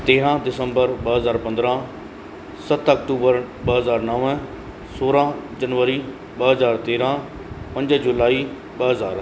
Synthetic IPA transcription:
t̪eːɾãːd̪ɪsəmbəɾbəɦəzaːɾpə̃nd̪ɾãː | sət̪ʰəkʈuːbəɾ | bəɦəzaːɾnɔːʋɛ̃ː | soːɾãːd͡ʒənʋəɾiː | bəɦəzaːɾt̪eːɾãː | pə̃ɲd͡ʒd͡ʒʊlaːiː | bəɦəzaːɾ

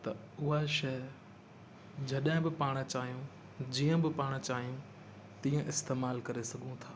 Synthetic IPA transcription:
t̪ɐ | ʊɦaʃɐ | d͡ʑɐɗɦɪ̃bɪpaːɽ̃t͡ɕaːɦijũ | d͡ʑiːə̃bɪpaːɽ̃t͡ɕaːɦijũ | t̪iːə̃ʔɪst̪eːmaːlkɐɾesɐɡʱũt̪ʰaː

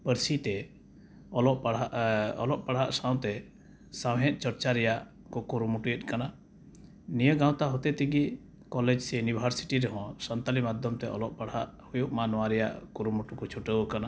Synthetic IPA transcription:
pəɾsit̪ɛ | ɔlɔʔ | ɔ̰lɔʔ̚paɽ̤aʔsãw̃t̪ɛ | sawɦɛ̃ʔ̪̚ˀt͡ʃɔɾt͡ʃaɾɛjaʔ | kɔkuɾumuʈujɛt̪̚kana | nijəɡãw̃t̪aɦɔt̪ɛt̪ɛɡi | kɔlɛd͡ʒsɛjunibʱəɾsi̥ʈiɾɛɦɔ̃sənt̪alimad̪ʱjɔmt̪ɛʔɔ̰lɔʔ̚paɽɦaʔhujuʔmanɔwaɾɛja̰ʔkuɾumuʈukɔt͡ʃʰuʈəɔkana

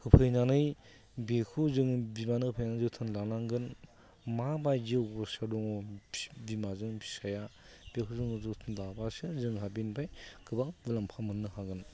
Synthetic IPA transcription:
hɯpʰɯjnanɯj | bekʰuzɯŋbimanɯhɯpʰɯjnanɯzɯtʰɯnlanaŋɡɯn | mabajɡiɡɔsadɔŋɔbimazɯŋbʰi̥saja | bekʰuzɯŋɯzɯtʰɯnlabasɯzɯŋɦabinbajkʰɯbabɯlampʰamɯnːɯhaɡɯn

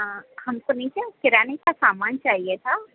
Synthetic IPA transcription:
hɐmkonɐɦĩt͡ʃakɪɾaːnekasaːmaːnt͡ʃaːɦiet̪ʰaː

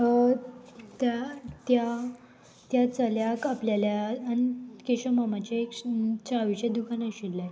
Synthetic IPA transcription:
ə | t̪jat̪ja | t̪jat͡səljakapljaljaːnikeɕəmamat͡ɕakt͡ɕaʋit͡ɕed̪ukʰanaɕilːaj

